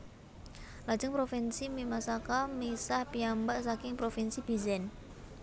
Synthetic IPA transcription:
lḁd͡ʒəŋpɾofinsimimasakamisahpiambaʔsakɪŋpɾofinsib̥izɛn

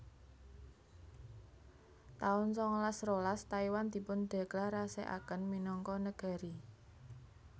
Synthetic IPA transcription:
t̪aʊnsɔŋlasrolast̪aiwand̪̥i̤pʊnɖ̪̥a̤klaɾasḛʔa̰kənminɔŋkɔnəɡ̥a̤ɾi

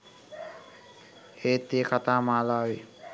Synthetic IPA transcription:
eːt̪ekʰat̪aːmaːlaːwi

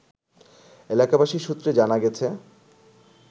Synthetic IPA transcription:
elakabaʃiʃut̪ːɾed͡ʑanaɡɛt͡ɕʰe

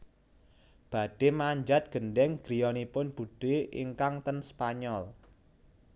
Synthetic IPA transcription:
b̥a̤ɖ̥e̤maɲd͡ʒat̪̚ɡ̥ə̤nɖɛŋɡ̥ɾijɔnipʊnb̥uɖ̥eʔḭŋkaŋt̪ənspaɲɔl

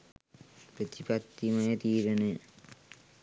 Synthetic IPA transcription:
pɾət̪ipat̪ːimɐjət̪iːɾənəjə

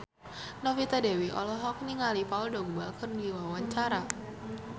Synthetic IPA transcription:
nɔfit̪adewiʔɔ̰lɔɦɔk̚niŋalipauldɔŋbakərdiwawaɲt͡ʃaɾa

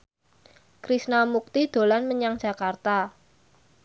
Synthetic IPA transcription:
kɾisnamuk̚t̪id̪̥o̤lanməɲaŋdd͡ʒ̥a̤kart̪a

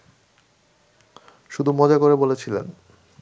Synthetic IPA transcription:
ʃud̪ʱumɔd͡ʑakoɾebolet͡ɕʰilḛn

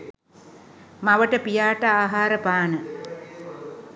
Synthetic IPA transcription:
maʋəʈəpijaːʈəaːɦaːɾəpaːnə

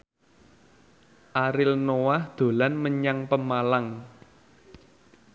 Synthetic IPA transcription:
ʔaɾɪlnowahd̪̥o̤lanməɲaŋpəmalaŋ

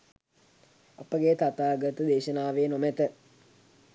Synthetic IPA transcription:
apəɡeːt̪at̪aːɡət̪əd̪eːʃənaːʋeːnomɛt̪ə

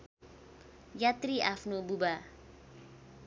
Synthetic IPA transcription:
jat̪ɾiafnububa

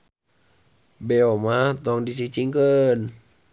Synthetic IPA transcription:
bɛomat̪ɔŋdit͡ʃit͡ʃiŋkən

